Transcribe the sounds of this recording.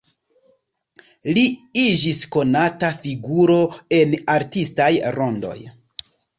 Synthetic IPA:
liid͡ʒisko̞natafiɡuɾo̞e̞naɾtistajɾo̞ndo̞̰j

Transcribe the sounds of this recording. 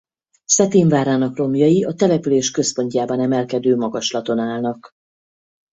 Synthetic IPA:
sɛt̪eːɱvaːɾaːnɒkro̞mjɒjiɒt̪ɛlɛpyleːʃkø̞spo̞ɲcaːbɒnɛmɛlkɛd̪øːmɒɡɒʃlɒt̪o̞naːlnɒk

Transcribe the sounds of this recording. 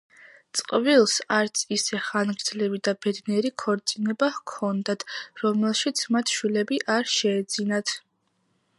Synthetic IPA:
t̪sʼqʼvilˠsaɾt̪sʰisɛχanɡɾd̪zlɛbid̪abɛd̪niɛɾikʰɔɾt̪sʼinɛbahkʰɔnd̪at̪ʰɾɔmɛlˠʃit̪sʰmat̪ʰʃwilɛbiʔaɾʃɛːd̪zinat̪ʰ

